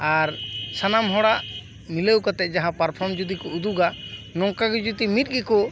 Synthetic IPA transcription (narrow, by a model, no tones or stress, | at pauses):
aɾsanamɦɔɽaʔ | milewkat̪ɛʔ̪̚ˀd͡ʒaɦãpaɾpʰɔɾmd͡ʒud̪ikɔud̪uɡanɔŋkaɡid͡ʒut̪imit̪̚ɡikɔ